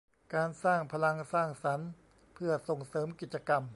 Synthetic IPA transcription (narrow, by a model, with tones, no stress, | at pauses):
kaː˧nsaː˥˩ŋpʰa˧la˧ŋsaː˥˩ŋsa˩˦n | pʰɯ˥˩ɐso˨˩ŋsɤː˩˦mki˨˩t̪̚t͡ɕa˧ka˧m